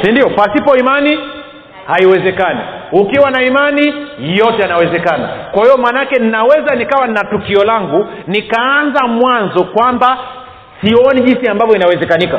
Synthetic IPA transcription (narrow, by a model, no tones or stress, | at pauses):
sindiɔpasipɔimani | haiwɛzɛkanḭukiwanaimanijɔtɛjanawɛzɛkana̰kwahijɔmaːnaakɛnnawɛzanikawanatukiɔlaŋɡu | nikaanzamwanzɔkwamba | siɔniʄinsiambavjɔinawɛzɛkanika